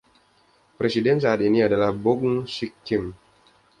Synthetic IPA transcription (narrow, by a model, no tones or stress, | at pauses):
pɾesidɛns̬aat̪iniadalahbɔɡsikːɪm